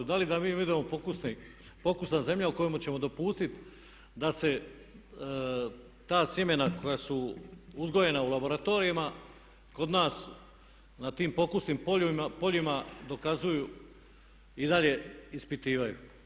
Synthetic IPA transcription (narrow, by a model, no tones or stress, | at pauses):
d̪alid̪amiːud̪emo̞pokusnipo̞kusnaze̞mʎauko̞jemut͡ɕe̞mo̞d̪o̞puːst̪it̪ | d̪ase̞ | t̪aːsjeme̞nako̞jasuuzɡo̞je̞naulabo̞ɾat̪o̞ɾijama | ko̞d̪naːs | nat̪iːmpo̞kusnimpoimapo̞ʎimad̪o̞kazuju | id̪aʎe̞ispit̪iːʋajṵ